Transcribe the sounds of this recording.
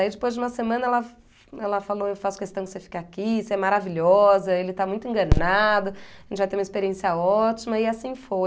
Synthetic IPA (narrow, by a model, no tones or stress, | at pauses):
aid͡ʒɪpojzd͡ʒɪũmɐsemɐ̃nɐɛlɐ | ɛlɐfaloewfasʊ̥kest̪ɐ̃w̃kɪ̥sefi̥kakʲiseɛmaɾaviʎɔzɐelɪt̪amũj̃t̪ʊẽŋɡɐ̃nad̪ʊaɐʒẽt͡ʃɪvajt̪eumɐispeɾiẽsiɐɔt͡ʃimɐɪasĩfo